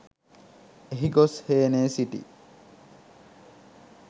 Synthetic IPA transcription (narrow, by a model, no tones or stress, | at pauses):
eɦiɡosheːneːsiʈḭ